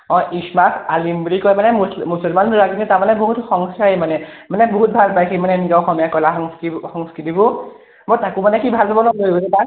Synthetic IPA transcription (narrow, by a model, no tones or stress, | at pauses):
ɔ̃ʔismasalimblikɔjmanɛsmusɔlmanuɹaɡinitamanɛboɦutxɔŋsajimanɛmanɛboɦut̚bʱalpajkʰimanɛniɡawxɔmɔjakɔlaxɔŋskixɔŋskɹitibʊ | motakumanɛkibʱalpabɔnɔloibɔsɛta